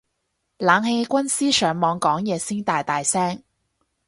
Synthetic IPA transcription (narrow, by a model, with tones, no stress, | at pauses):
laː˨˧ŋhe˧kʷɐ˥nsiː˥sœː˨˥ŋmɔː˨˧ŋkɔː˨˥ŋjɛː˨˧siː˥nt̪aː˨˧jt̪aː˨jsɛː˥ŋ